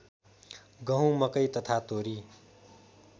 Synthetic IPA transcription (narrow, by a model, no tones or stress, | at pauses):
ɡʌɦũmʌkʌjt̪ʌt̪ʰat̪oːɾi